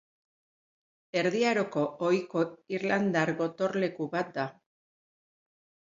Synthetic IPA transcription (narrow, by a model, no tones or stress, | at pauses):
e̞ɾðiaɾo̞ko̞ojko̞iɾland̪aɾɣo̞t̪o̞ɾle̞kuβat̪̚d̪a